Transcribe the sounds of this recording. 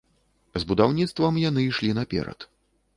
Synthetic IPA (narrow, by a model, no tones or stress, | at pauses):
zbud̪awnʲit̪st̪vɐmjanɨiʂlʲinapʲɛ̰ɾɐ̰t̪